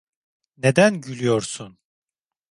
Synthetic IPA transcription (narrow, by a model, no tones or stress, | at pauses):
ne̞d̪ænɟylʲyjoɾsun